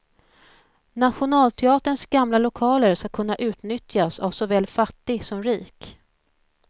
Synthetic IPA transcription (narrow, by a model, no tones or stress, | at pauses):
nat̪ɧʊnɑːlt̪ʰɛɑːt̪əɳsɡamlalʊkʰɑːləɾskakʰɵn̪ːaʔʉ̟ːt̪nʏt̪jasa̰vsɔvɛːlfat̪ːɪɡsɔmɾiːk